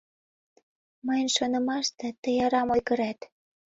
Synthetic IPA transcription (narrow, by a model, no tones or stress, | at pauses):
məjnʃonə̆mɑʃt̪ĕt̪ə̆jɑɾɑmojɣə̆ɾæt̪